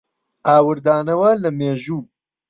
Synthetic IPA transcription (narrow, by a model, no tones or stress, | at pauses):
aːwɨɾd̪aːnɐwɐlɐmeːʒuː